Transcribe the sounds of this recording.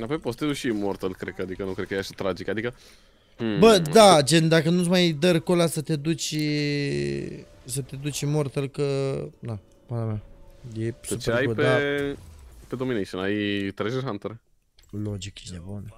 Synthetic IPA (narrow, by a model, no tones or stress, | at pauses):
apojpost̪euʃimort̪əlkɾed̪̚kəad̪ikənukɾd̪kəjeaʃat̪ɾad͡ʒikad̪ikə | bəd̪ad͡ʒend̪akənut̪s̬majd̪əɾko̞lasət̪e̞d̪ut͡ʃʲ | sət̪ed̪ut͡ʃʲmo̞rt̪əlkəna | manamajesupt͡ʃeeajpea | ped̪ominejʃənajt̪ɾezeɦant̪eɾ | lod͡ʒikenebun